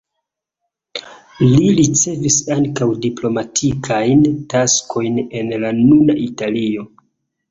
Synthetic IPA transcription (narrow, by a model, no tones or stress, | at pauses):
liɾit͡se̞visaŋkawdiplo̞matʰikʰajntaskʰo̞jne̞nlanuna̰ʔitalio̞